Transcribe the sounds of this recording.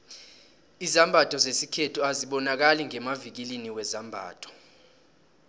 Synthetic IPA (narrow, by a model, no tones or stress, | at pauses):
izambʱatʰʼɔzesikʰetʰuaziɓɔnak̬aliŋɛmavik̬iliniwɛzambʱa̰ːtʰɔ̥